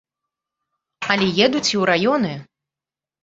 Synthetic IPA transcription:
ɐlʲɛjɛd̪ut͡sʲiwɾajɔnɨ

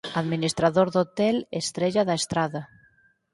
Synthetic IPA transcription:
aðminist̪ɾaðoɾðot̪ɛlest̪ɾeʎaðaest̪ɾaða

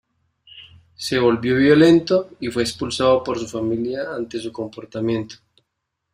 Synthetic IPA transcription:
se̞βo̞lβjo̞βjo̞le̞nt̪o̞ifwe̞ːkspulsaðopo̞ɾsufamiljaant̪e̞suko̞mpo̞ɾt̪amjẽ̞nt̪o̥

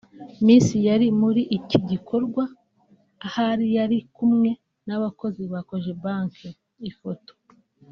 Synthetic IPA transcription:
miːnsijaɾimuɾiʔːciɟikʰo̞ɾɡwaː | haɾijaɾikumŋe̞ | naβako̞ziβako̞ʒe̞baŋke | ifoto̥

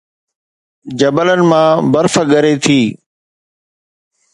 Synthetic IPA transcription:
d͡ʑəbələnɪ̆mãːbəɾfəɠəɾeːt̪ʰiː

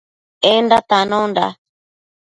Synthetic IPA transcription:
endat̪anonda̰

